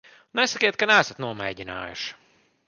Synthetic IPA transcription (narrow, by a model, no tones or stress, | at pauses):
nɛsɐkʲiːt̪̚kanɛæsɐt̪nuɔmɛ̰ːjɟina̰ːjṵʃ